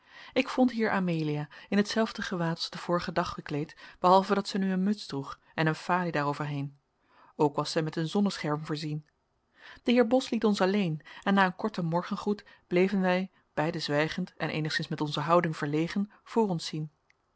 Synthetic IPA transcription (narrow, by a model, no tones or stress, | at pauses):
ɪkfɔntɦiːɹʔaːmeːliaːɪnətsɛlˠvdəχəʋaːtɑzdəv̥ʊːɹəχədɑχːəklejtb̥əɦɑlˠvədɑtsɛjnyənmɵtsd̥ruχ | ɛnənfaːlidaːrowvəɹɦejn | owkʋɑsɛjmɛtənzɔnəsχɛɹmvʊːɹzin | d̥əɦɪːɹbɔslitɔnsɑlejnɛnːaːənkɔɹtəmɔɹχənχut | b̥lejvənʋɛj | b̥ɛjdəzʋɛjχəntɛnʔḛjnəχsɪnsmɛtɔnzəɦɑwdɪŋv̥əɹlejχən | v̥ʊːrɔnsin